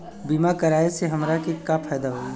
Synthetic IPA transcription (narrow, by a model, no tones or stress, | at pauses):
biːmakɐɾaːeseɦɐmɾakekapʰɛːd̪aɦoː